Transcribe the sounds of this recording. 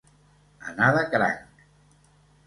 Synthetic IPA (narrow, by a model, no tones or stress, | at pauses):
a̰naðəkɾa̰ŋk